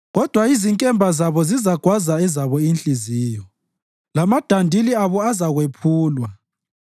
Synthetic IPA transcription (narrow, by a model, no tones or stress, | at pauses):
ɣɔd̥ʱwaiziŋkʼɛmbʱazaβɔzizaɡ̥ʱwazaɛzaβɔint͡ɬʼizijɔ | lamad̥ʱandʱiliaβɔazaɣwepʰuːlwa